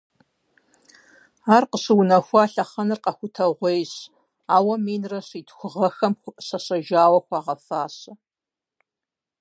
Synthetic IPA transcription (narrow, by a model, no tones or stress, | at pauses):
aːrqəɕɨwʊnɐxʷɑːɬɐχɐnɨrqɐxʷʊtʰɐʁʷejɕ | aːwɐmiːnrɐɕiːtʰxʷʊʁɐxɐmxʷʊʔɕɐɕɐʒaːwɐxʷaːʁɐfaːɕɐ